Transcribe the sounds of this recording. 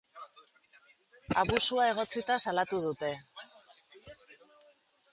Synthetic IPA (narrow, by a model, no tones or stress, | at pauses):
aβusuae̞ɣ̞o̞t͡sit̪asalat̪uðut̪e̞